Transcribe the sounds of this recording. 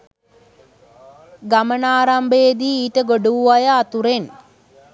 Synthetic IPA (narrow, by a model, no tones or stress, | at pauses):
ɡamənaːɾambeːd̪iːʈəɡoɖuʋuʋajaːt̪uɾen